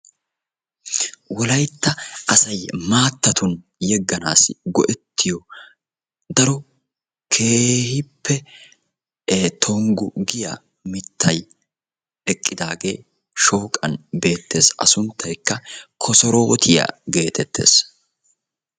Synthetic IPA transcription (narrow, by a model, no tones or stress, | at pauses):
wɔlɐjt̪ːɐʔɐsɐjmaːt̪ːɐt̪ʊn | jɛɡːɐnaːsɪɡɔ̰ʔɛt̪ʰːɪjɔ | d̪ɐɾɔ | kʰe̞ːhɪpʰːɛ | t̪ʰɔŋɡʊɡɪja̰ | mɪt̪ʰːɐj | ɛkʼːɪd̪aːɡe̞̰ː | ʃoːkʼɐ̰nbe̞ːt̪ːe̞ːsɐ̰sʊnt̪ːɐjkːɐkʰɔsɔɾo̞ːt̪ʰɪjɐ̰ɡe̞ːt̪ʰɛt̪ːe̞̰ːs